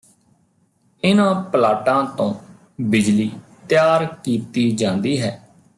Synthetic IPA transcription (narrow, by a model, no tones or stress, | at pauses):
ɪnãːpəlaːʈãːt̪õː | bɪd͡ʒliːt̪jaːɾkiːt̪iːd͡ʒãːnd̪iːɦɛː